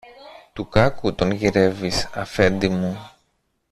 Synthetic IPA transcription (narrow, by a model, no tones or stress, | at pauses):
t̪ukɐkut̪o̞nʝiɾe̞visɐfe̞nd̪imu